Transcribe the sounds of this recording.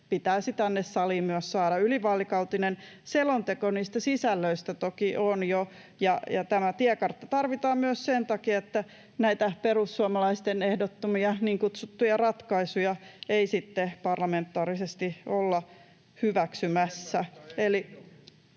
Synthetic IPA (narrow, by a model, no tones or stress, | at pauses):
pit̪æːsit̪ænːessɑliːmmyøssɑːɾɑyliʋɑːlːikɑwt̪inenselont̪ekoniːst̪æsisælːøist̪æt̪okiʔonjo | jɑjɑt̪æmæt̪iɛkɑrt̪ːɑt̪ɑrʋit̪ɑːmmyøssent̪ɑkiɑet̪ːæ | næit̪æperusːuɑmɑlɑist̪enehdot̪ːomiɑniːŋkut̪sut̪ːujɑrɑt̪kɑisujɑeisit̪ːepɑrlɑment̪ːɑːɾisest̪iolːɑ | hyʋæksymæsːæeli